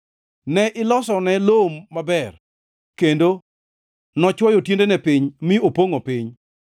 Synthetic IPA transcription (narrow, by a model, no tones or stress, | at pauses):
nɛʔɪlɔsɔnɛlomːabɛr | kendo | nɔt͡ʃwɔjotjendenɛpɪɲmɪopoŋopɪɲ